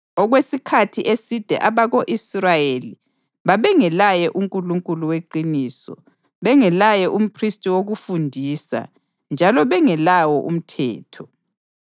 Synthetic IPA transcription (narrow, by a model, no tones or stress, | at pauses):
ɔɣwesikʰatʰiʔesid̥ʱɛ̰ʔaβaɣoʔisrajeli | βaβɛŋɛlajɛʔuŋkʼuluŋkʼuluweǃiniːsɔ̰ | βɛŋɛlajɛʔum̩pʰristʼiwoɣufundʱiːsa̰ | nd͡ʒʱalɔβɛŋɛlawɔʔṵm̩tʰɛ̰ːtʰɔ